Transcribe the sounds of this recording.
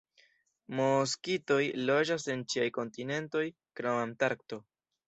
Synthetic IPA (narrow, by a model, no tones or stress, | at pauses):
mo̞s̬kito̞jlo̞d͡ʒase̞nt͡ʃiajko̞ntine̞nto̞j | kɾomamtaɾk̚to̞